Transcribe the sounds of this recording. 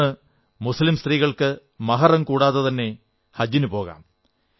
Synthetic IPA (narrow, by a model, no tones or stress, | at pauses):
ɨ | muslimst̪riːɣɐɭkɨ | mɐɦɐrɐmkuːɽaːðɐt̪ɐnːe̞ | hɐd͡ʑinupo̞ːɣa̰ːm